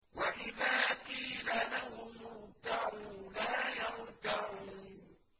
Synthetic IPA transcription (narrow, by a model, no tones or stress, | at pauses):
waʔɪðaːqiːlalahʊmʊd̪aʕuːlaːjaɾd̪aʕuː